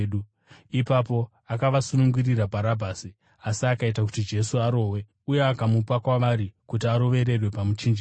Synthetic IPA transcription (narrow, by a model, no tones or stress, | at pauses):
ɗu | ipapo̞ | akaʋasunuŋɡuriɾabʱaɾabʱaːsi | asiakaitaku̥tid͡ʒe̞suaɾo̞ːwe̞ | ujeakamupakwaʋaɾikutiaɾo̞ʋe̞ɾe̞rwe̞pamut͡ʃind͡ʒi